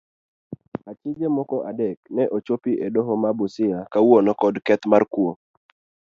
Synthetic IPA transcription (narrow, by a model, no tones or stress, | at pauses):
at͡ʃɪd͡ʒemɔkɔʔadɛknɛʔot͡ʃopiʔedoɦɔmabʊsɪjakawonɔkɔdkɛt̪markwo